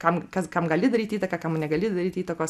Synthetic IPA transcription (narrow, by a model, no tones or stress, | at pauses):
kɐmkɐskɐmɡɐlʲɪd̪ɐɾʲiːt̪ʲiːt̪ɐkɐkɐmnʲɛɡɐlʲɪd̪ɐɾʲiːt̪iːt̪ɐkoːs